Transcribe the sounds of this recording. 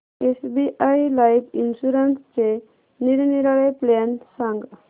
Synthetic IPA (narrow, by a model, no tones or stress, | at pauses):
esbiʔajlajpʰinsuɾanst͡ʃe | niɾniɾaɭajplensaŋɡ